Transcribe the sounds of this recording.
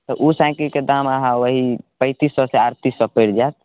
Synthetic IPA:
t̪ɔʔusãkəlked̪amaɦãʋəɦipə̃ɪt̪isːɔseaɾt̪isɔpəɾd͡ʒaːt̪̚

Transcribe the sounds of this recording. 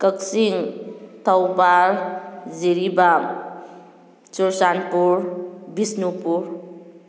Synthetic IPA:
kəksiŋt̪ʰəwpaɾd͡ziɾibam | t͡ʃuɾsanpuɾbisnupuɾ

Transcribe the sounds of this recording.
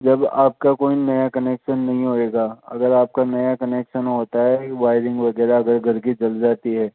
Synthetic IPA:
d͡ʒɐbaːp̚kakoːinɐjakɐneːkʃənːɐɦĩɦoeːɡaːɐ̰ɡəɾaːp̚kanɐjakɐneːkʃənɦoːt̪aɦɛʋaːɪɾɪ̃ŋɡʋɐɡɛːɾaɐɡəɾɡɐɾɡid͡ʒɐld͡ʒaːt̪iɦɛː

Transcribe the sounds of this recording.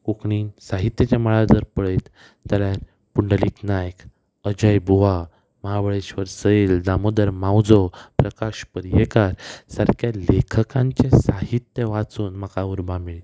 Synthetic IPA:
kukɳiːnsaɦit̪jət͡ɕaməɭad͡zəɾpəɭet̪ː | ala | puɳɖəliːk̪najk | əd͡ʑəjbʱuʋa | məɦaʋəɭeɕʋəɾsəeld̪amod̪əɾmawd͡zɔpɾəkaɕpəɾjekaɾsəɾkjalekʰəkãɲt͡ɕẽsaɦit̪jəʋat͡suːnm̤əkauɾbamiɭi

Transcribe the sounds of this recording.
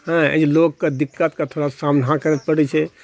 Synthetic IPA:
hɛ̃ḛd͡ʒlokkːed̪ikːət̪kat̪ʰoɽasamnɦãkəɾɛt̪̚pəɽɛt͡ʃʰɛ

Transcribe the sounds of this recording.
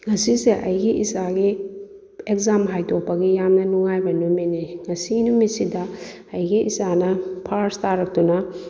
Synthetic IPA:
ŋɐsiseʔɐjɡiʔisaɡi | ekzamɦajtok̚pɐɡijamnɐnuŋajbɐnumeniŋɐsinumisidɐ | ɐjɡiʔḭsanɐpʰaɾstaɾɐk̚tunɐ

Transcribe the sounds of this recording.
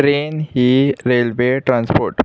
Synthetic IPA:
ɾeːnhiɾeːlʋeʈɾãːnspoːɾʈ

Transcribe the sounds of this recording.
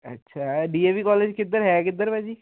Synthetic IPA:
ə̰tːʃʰaːɖiːeːʋiːkɔːleːd͡ʒkɪd̪əɾɦɛːkɪd̪ːəɾbɛːd͡ʒiː

